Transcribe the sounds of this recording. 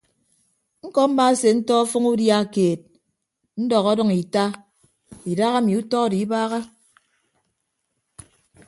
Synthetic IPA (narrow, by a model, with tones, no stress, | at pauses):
ŋ̩˦kɔ˦m̩˦ma˦se˨n̩˦tɔ˦ɔ˦fɔ˦ŋu˦dja˦˨keː˨t̚ | n̩˦dɔ˨ɣɔ˦dɔ˦ŋi˨ta˦ | i˨da˦ɣa˦mi˨u˦tɔ˦˨di˨i˦baː˦ɣa˦